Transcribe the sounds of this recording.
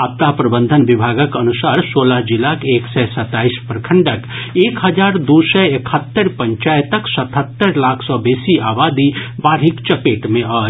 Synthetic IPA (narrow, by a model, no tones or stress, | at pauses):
ap̚t̪apɾəbənd̪ʱənʋibʱaɡəkənusaɾsoləɦd͡ʒilakeksɛsət̪aispɾəkʰəɳɖəkekɦəd͡ʒaːɾd̪usɛekʰət̪ːəɾpəɲt͡ʃaːjt̪əksət̪ʰɦət̪ːəɾlakʰsɔbesiabad̪ibaːɾɦikt͡ʃəpeʈmẽa